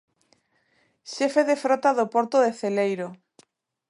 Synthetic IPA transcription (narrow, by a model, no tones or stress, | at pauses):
ʃefeðefɾot̪aðopoɾt̪oðeθelejɾo